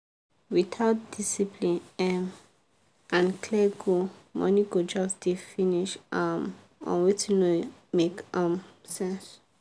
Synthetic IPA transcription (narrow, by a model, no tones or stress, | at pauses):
wit̪ʰaʊt̚d̥isipʰlĩnɛm | ʔãnkʰlɛɡomɔ̰̃niɡod͡ʒasdifiniʃam | ɔ̰̃nwitinomekãmsɛ̃ns